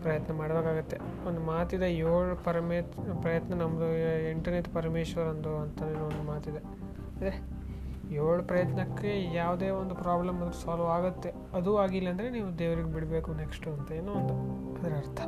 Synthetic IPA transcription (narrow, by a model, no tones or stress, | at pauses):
pɾɐjɐt̪nɐmaːɽɐbeːkaːɡut̪ːe̞ond̪umaːt̪id̪ejoːɭupɐɾmepɾɐjɐt̪nɐnɐmːɐd̪uiɳʈɐɾneʈpɐɾmeːʃʋɐɾɐnd̪uɐnt̪ɐneːnond̪umaːt̪id̪e̞ | ɐnd̪ɾe | joːɭupɾɐjɐt̪nɐkːe̞jaːʋd̪e̞ːond̪upɾaːblɐmɐd̪ɐɾusaːlaːɡut̪ːe̞ | ɐd̪uaːɡilːɐɐnd̪ɐɾe̞niːʋud̪eːʋɐɾiɡebiɽbeːkunekʂʈuɐnt̪ɐeːnuːond̪u | ɐd̪ɐɾeɐɾt̪ʰɐ